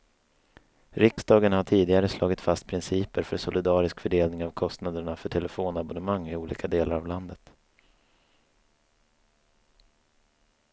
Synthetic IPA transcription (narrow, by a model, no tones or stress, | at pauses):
ɾɪksd̪ɑːɡənhaʈʰiːd̪ɪɡaɾəslʔɑ̰ːɡɪt̪fast̪̚pʰɾɪnsiːpəɾfœɾʂɔlɪd̪ɑːɾɪskfœɖeːlnɪŋavkʰɔst̪nad̪əɳafœʈʰɛləfoːnabɔnəmaŋːɪuːlḭːkʰad̪eːlaɾavland̪ət̪